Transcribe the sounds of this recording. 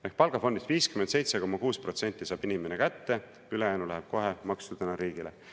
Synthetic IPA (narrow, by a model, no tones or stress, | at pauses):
ehkpɑlɡ̥ɑfo̞nd̪isviːskyment̪se̞jt̪seko̞mɑkuːspro̞t̪se̞nʲt̪ˑːisɑːb̥inʲimenekæt̪ːe̞ | ylejæːnulæɦeb̥̚ko̞ɦemɑkst̪ud̪̥enɑɾiːɡ̥ile